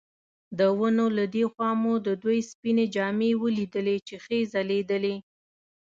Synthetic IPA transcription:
d̪əwənolad̪exwɑmod̪əd̪wojspined͡ʒɑmewəlid̪əlet͡ʃexezaled̪əle

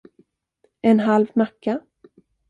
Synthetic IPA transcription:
ɛnɦalvnakːa

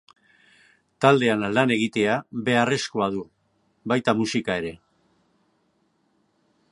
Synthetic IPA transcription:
t̪ald̪e̞anlane̞ɣit̪e̞aβe̞are̞skoað̞u | βajt̪amusikae̞ɾe̞

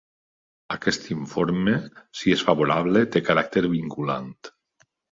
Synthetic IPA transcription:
akɛst̪iɱfoɾmesiesfaβoɾaβlet̪ekaɾak̚t̪eɾβiŋkula̰nt̪

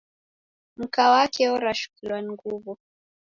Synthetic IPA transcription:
m̩kawakʰɛɔɾaʃu̥kilwaniŋɡuvu

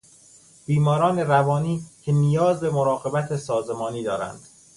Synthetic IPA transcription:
b̥iːmɒːɾɒːne̞ɾævɒːniːcʰe̞nijɒːzbe̞moɾɒːɣe̞bæt̪ʰesɒːzemɒːniːd̪ɒːɾæ̰nd̪̥

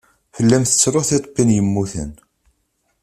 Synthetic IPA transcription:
fəlːæmθə̥t͡sːɾoθet̪ˤpːinjəmːuθə̰n

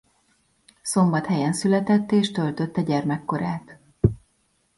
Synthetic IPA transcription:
so̞mbɒt̪hɛjɛnsylɛt̪ɛt̪ːeːʃt̪ø̞lt̪øt̪ːɛɟɛrmɛkːo̞ɾaːt̪

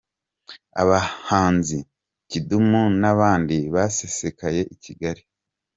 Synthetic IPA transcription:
a̰βahaːnzi | cidumunaβaːndiβase̞se̞kaje̞ʔiciɡaɾi

